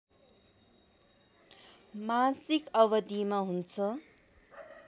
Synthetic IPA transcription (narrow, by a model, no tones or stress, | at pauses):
masikʌbʌd̪imaɦunt͡sʰʌ